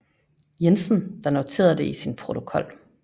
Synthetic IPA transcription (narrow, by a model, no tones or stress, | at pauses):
jensn̩d̥ɑ̈not͡sʰe̝̰ːɐd̥e̝isinpʰʁo̝t͡sʰo̝kʰɒ̽l̰